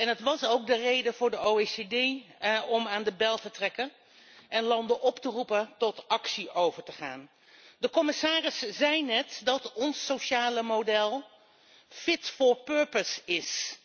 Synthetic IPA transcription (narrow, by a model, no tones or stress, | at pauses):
ɛnɦətʋɑsowk̚dərejdəvʊːɹdəowesedejɔmaːndəbɛlˠtətrɛkən | ʔɛnlɑndəʔɔptərupətɔtɑksiʔowvəɹtəχa̰ːn | dəkɔmɪsaːrɪszɛjnɛtdɑtɔnsːowʃaːləmodɛlˠ | fɪtfʊːɹpøːɹpəsɪs